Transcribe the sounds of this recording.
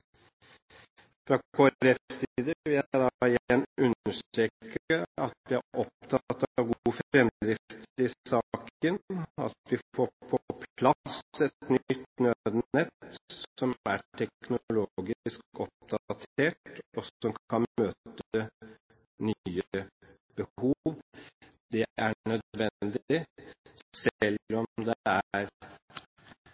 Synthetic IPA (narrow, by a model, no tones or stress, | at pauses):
fɾɑkʰoːæɾɛpsiːd̪əʋɪljææɪd̪ɑɪjɛnːʉnəʂt̪ɾeːkəɑt̪ʋɪæʔɔpt̪ʰɑt̪ːɑɑʋɡuːəfɾɛmd̪ɾɪft̪ɪɑkənɑ̰t̪ʋɪfoːpʰɔpʰlɑsɛt̪nʏt̪nød̪nɛt̪sɔmæ̰ʈʰɛknʊloɡɪskɔp̚d̪ɑt̪ʰeːʈɔsɔmkɑnmøːt̪ə | nyːə | b̥əhuʋ | d̪̥ɛʔæɳœd̪ʋɛnd̪ | sɛlɔmd̪ɛæɾ